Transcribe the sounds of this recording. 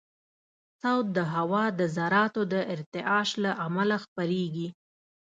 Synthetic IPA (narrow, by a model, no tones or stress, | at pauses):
sawt̪̚d̪əɦawɑd̪əzaɾɑt̪od̪əʔɪɾt̪ɪʔɑʃlaʔamalaxpəɾeɡi